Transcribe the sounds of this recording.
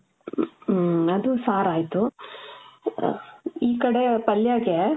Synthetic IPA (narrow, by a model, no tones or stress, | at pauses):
ɐd̪usaːɾaːjt̪u | iːkɐɽepɐljaːɡe